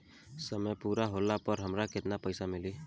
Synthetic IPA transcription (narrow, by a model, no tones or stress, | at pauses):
səməjpuɾaɦolapəɾɦəmɾaket̪napəjsamili